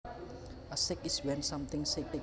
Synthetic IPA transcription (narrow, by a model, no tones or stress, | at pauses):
əsɪkɪswɛ̃nsãmt̪ɪ̃ŋsek̚te